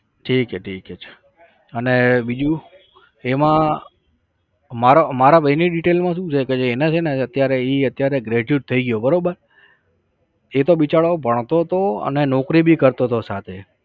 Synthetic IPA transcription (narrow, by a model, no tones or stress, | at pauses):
ʈʰikeʈʰiket͡ʃʰe̥ | ənebid͡ʒu | emã | maɾomaɾabəiniɖiʈelmãʃ̬ũt͡ʃʰeked͡ʒoenet͡ʃʰeneət̪jaɾeiət̪jaɾeɡɾeʈuʈ̚t̪ʰəiɡjobəɾobəɾ | et̪obit͡ʃaɭobʱəɳ̃t̪ot̪oə̰nenɔkɾibʱikəɾt̪ot̪osat̪ʰe